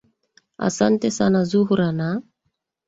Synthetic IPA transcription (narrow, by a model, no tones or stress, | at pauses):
a̰sant̪esanazuɦuɾana